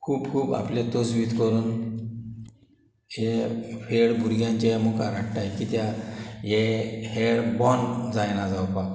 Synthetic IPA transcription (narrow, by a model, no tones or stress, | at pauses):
kʰuːbkʰuːba̰pljet̪od͡zʋiːt̪kəɾuːn | ɦefeɽbʱuɾɡjãɲt͡ɕaməɡaɾaʈʈajkit̪jajeheɽbɔnd͡zajnad͡zawpak